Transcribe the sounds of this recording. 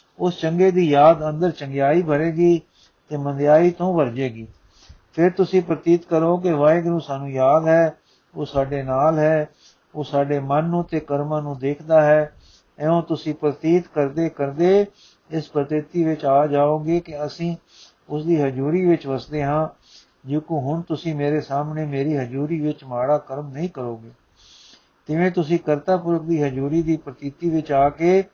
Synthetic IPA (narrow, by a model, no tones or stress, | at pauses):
ʊst͡ʃəŋɡeːd̪iːjaːd̪ənd̪əɾt͡ʃə̃ŋɡjaːiːbʱəɾeːɡiː | t̪eːmənd̪jaːiːt̪õːʋəɾd͡ʒeːɡiː | pʰɪɾt̪ʊsĩːpɾət̪iːt̪kəɾoːk̬ɪʋaːeːɡəɾũːsaːnũːjaːd̪ɦɛː | oːsaːɖeːnaːlɦɛː | oːsaːɖeːmənːũːt̪eːkəɾmãːnũːd̪eːkʰd̪aːɦɛː | ɛːõːt̪ʊsĩːpɾət̪iːt̪kəɾd̪eːkəɾd̪eː | ɪspɾət̪ɪt̪iːʋɪt͡ʃaːd͡ʒaːoːɡeːkɪəsĩː | ʊsd̪iːɦəd͡ʒuːɾiːʋɪt͡ʃʋəsd̪eːɦãː | d͡ʒõːkoːɦʊɳt̪ʊsĩːmeːɾeːsaːmneːmeːɾiːɦəd͡ʒuːɾiːʋɪt͡ʃmaːɽaːkəɾmnəĩːkəɾoːɡeː | t̪ɪʋẽːt̪ʊsĩːkəɾt̪aːpʊɾək̚d̪iːɦəd͡ʒuːɾiːd̪iːpɾət̪iːt̪iːʋɪt͡ʃaːkeː